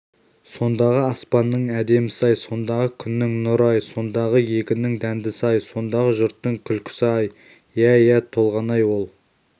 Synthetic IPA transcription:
so̞nd̪ɑʁəɑspɑnːəɴæd̪e̞mɪsɑjso̞nd̪ɑʁəkʲʰʏnːɪŋnʊɾɑjso̞nd̪ɑʁəje̞kʲɪnɪŋd̪ænd̪ɪsɑjso̞nd̪ɑʁəʒʊɾt̪ːəŋkʲʰʏlkʲʰɪ̥sɑj | jæjæt̪ʰo̞lˠʁɑnɑjwo̞lˠ

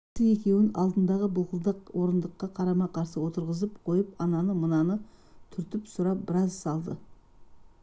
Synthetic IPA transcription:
əe̞kʲe̞wɪnɑ̰lˠd̪ənd̪ɑʁəbʊlˠqəlˠd̪əqwo̞ɾənd̪əqːɑqʰɑɾɑmɑqʰɑɾsəwo̞t̪əɾʁəzəp̚qʰo̞jəpɑnɑnəmənɑnət̪ʰʏɾt̪ɪpsʊɾɑp̚bɪɾɑzsɑlˠd̪ə

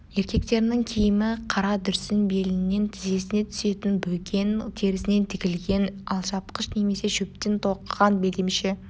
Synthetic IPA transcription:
e̞ɾkʲe̞k̚t̪e̞ɾɪnɪŋkʲʰejɪmɪqʰɑɾɑd̪ʏɾsɪnbe̞lɪnːe̞nt̪ʰɪze̞sɪne̞t̪ʰʏ̥se̞t̪ɪnbɵlkʲʰe̞nt̪ʰe̞ɾɪsɪne̞nt̪ʰɪkʲɪlɡʲe̞nɑlˠʃɑp̚qəʃne̞me̞se̞ʒɵp̚t̪e̞nt̪ʰo̞qːɑnbe̞ld̪emʃe

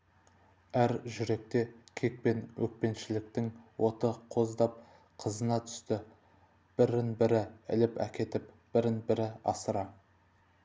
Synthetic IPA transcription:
æɾʒʏɾe̞k̚t̪e̞kʲʰe̞k̚pe̞nwɵk̚pe̞nʃɪlɪk̚t̪ɪŋwʔo̞t̪əqʰo̞zd̪ɑp̚ | qʰəzənɑt̪ʰʏ̥st̪ɪ | b̥ɪɾɪnbɪɾɪɪ̰lɪpæ̰kʲe̞t̪ɪp | b̥ɪɾɪnbɪɾɪɑ̰səɾɑ

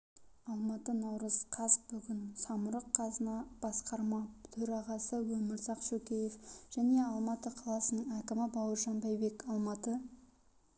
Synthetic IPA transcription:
ɑlˠmɑt̪ənɑwɾəzqʰɑzbʏɡʲɪnsɑmʊɾəqʰːɑzənɑb̥ɑsqɑɾmɑt̪ʰɵɾɑʁɑsəwɵmɪɾzɑqʃɵkʲe̞jefʒ̥æne̞ɑlˠmɑt̪əqʰɑlˠɑsənəɴækʲɪmɪbɑwəɾʒɑnbɑjbe̞kɑlˠmɑt̪ə

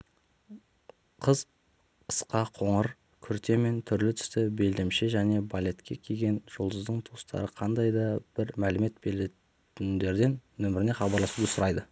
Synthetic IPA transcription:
qʰəz | əsqɑqʰo̞ɴəɾ | kʲʰʏɾt̪e̞me̞nt̪ʰʏɾlɪt̪ʰʏ̥st̪ɪbe̞ld̪e̞mʃeʒæne̞balʲe̞t̪kʲe̞kʲʰejɡʲe̞nʒ̥ʊlˠd̪əzd̪əɴt̪ʰust̪ɑ̰ɾəqʰɑnd̪ɑjd̪ɑb̥ɪɾmælɪme̞t̪̚belet̪ | ɪnd̪e̞ɾd̪e̞nːɵmɪɾɪne̞χɑbɑɾlˠɑsud̪əsʊɾɑjd̪ə

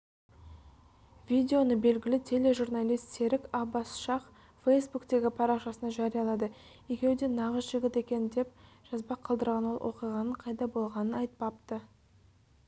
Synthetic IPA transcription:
vʲid̪ʲe̞o̞nəbe̞lɡʲɪlɪt̪ʲʰe̞le̞ʒurnɑlʲijst̪se̞ɾɪkɑbɑsʃɑq | fejsbukt̪e̞ɡʲɪpʰɑɾɑqʃɑsənɑʒɑɾijɑlˠɑd̪ə | jekʲe̞wd̪e̞nɑʁəzʒɪɡʲɪt̪e̞kʲe̞nɪd̪e̞p̚ʒ̥ɑzbɑqʰɑlˠd̪əɾʁɑnwo̞lˠwʔo̞̰qijʁɑnəɴqʰɑjd̪ɑbo̞lˠʁɑnənɑjt̪̚pɑpt̪ə

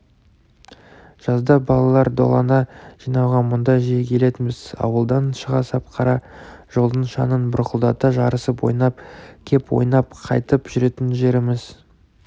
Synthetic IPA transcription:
ʒ̥ɑzd̪ɑbɑlˠɑlˠɑɾd̪o̞̰lˠɑ̰nɑʒijnɑwʁɑmʊnd̪ɑjʒijekʲʰe̞le̞t̪ɪmɪzɑ̰wəlˠd̪ɑnʃəʁɑsɑp̚qʰɑɾɑʒ̥olˠd̪əɴʃɑ̰nənbʊɾqəlˠd̪ɑt̪əʒɑɾəsəpwo̞̰jnɑp̚kʲʰe̞pwo̰jnɑpqʰɑ̰jt̪əpʒʏɾe̞t̪ɪnʒe̞ɾɪmɪz

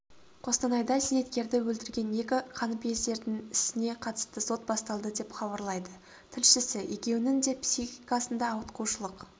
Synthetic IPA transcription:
qʰo̞st̪ɑnɑjd̪ɑsene̞t̪kʲe̞ɾd̪ɪwɵlt̪ɪɾɡʲe̞ne̞kʲɪqʰɑnəpe̞zd̪e̞ɾd̪ɪŋɪsɪne̞qʰɑt̪ə̥st̪əso̞t̪bɑst̪ɑlˠd̪əd̪e̞pχɑbɑɾlˠɑjd̪ə | t̪ʰɪlʃɪsɪje̞kʲe̞wɪnɪŋd̪e̞psixikasənd̪ɑːwət̪quwʃəlˠəq

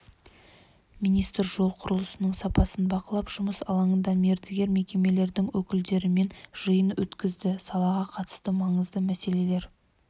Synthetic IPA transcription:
mijnijst̪əɾʒo̞lˠqʰʊɾəlˠəsənəɴsɑpɑsənbɑqəlˠɑpʒ̥ʊməsɑlˠɑɴənd̪ɑme̞ɾd̪eɡʲe̞ɾme̞kʲe̞me̞le̞ɾd̪ɪŋwɵkʲɪld̪e̞ɾɪme̞nʒ̥əjənwɵt̪kʲɪzd̪ɪsɑlˠɑʁɑqʰɑt̪ə̥st̪əmɑɴəzd̪əmæse̞le̞le̞ɾ

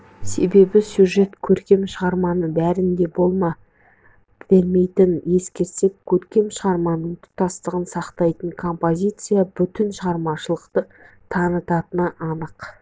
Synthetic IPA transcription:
se̞be̞bɪsʲjuʒe̞t̪kʲʰɵɾkʲe̞mʃəʁɑɾmɑnəbæɾɪnd̪e̞bo̞lˠmɑ | bɪlme̞jt̪ɪnje̞skʲe̞ɾsep̚kʲʰɵɾkʲe̞mʃəʁɑɾmɑnəŋt̪ʰʊ̥t̪ːɑst̪əʁənsɑqt̪ɑjt̪əɴkʰo̞mpozʲijt̪sɨjabʏt̪ɪnʃəʁɑɾmɑʃəlˠəqt̪ə | t̪ʰɑnət̪ɑt̪ənəʔɑnəq

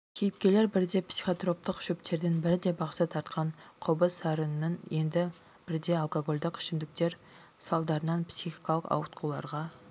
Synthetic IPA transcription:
kʲʰejɪp̚kʲe̞le̞ɾbɪɾd̪e̞psi̥χot̪ro̞p̚t̪əqʃɵpt̪ʰe̞ɾd̪ɪnbɪɾɪd̪e̞bɑqsɑt̪ʰɑɾt̪qʰɑnqʰʊbəsɑɾənnəɴje̞nd̪ɪ | b̥ɪɾɪd̪eɑlˠkoɡolʲd̪ɪqʰːɪ̥ʃɪmd̪ɪk̚t̪e̞ɾ | sɑlˠd̪ɑɾənɑnpsiχi̥kɑlˠəqɑ̰wət̪qʰulˠɑ̰ɾʁɑ

